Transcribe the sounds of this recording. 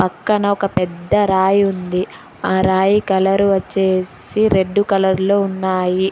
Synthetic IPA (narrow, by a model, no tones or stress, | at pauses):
pɐkːɐnɐɔkɐpɛd̪ːɐɾaːjund̪i | aːɾaːjikɐlɐɾuʋɐt͡ʃːe̞ːsiɾe̞ɖːukɐlɐɾlo̞ːunːaːji